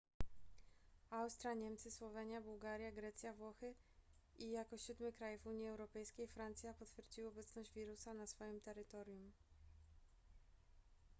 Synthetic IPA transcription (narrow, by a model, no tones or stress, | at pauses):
awst̪ɾʲjaɲɛmt̪sɘswɔvɛɲjabuwɡaɾʲjaɡɾɛt̪sʲjavwɔxɘ | ijakɔɕud̪mɘkɾajɛvuɲjiɛwɾɔpɛjskʲejfɾant̪sʲjapɔt̪fʲjɛɾd͡ʑiwɔbɛt̪snɔʑd͡ʑvʲiɾusanasfɔjimt̪ɛɾɘt̪ɔɾʲjum